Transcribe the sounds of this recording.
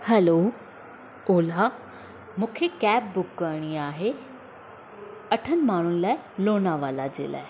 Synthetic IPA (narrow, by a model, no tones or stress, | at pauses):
hɛloː | oːla | mũːkʰekɛːbːʊkːəɾɽ̃iaːɦe | ɐʈʰənɪ̆maːɳ̤ʊnɪ̆laːɪloːnaʋaːlad͡ʑḛːla̰ːɪ